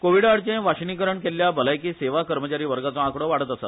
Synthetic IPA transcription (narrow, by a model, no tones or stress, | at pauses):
koʋiɽaɽt͡ɕẽʋaɕnikəɾəɳkeljabəlajkiːseʋakəɾmət͡ɕaɾiːʋəɾɡat͡soãkɽoʋaɽət̪əsa̰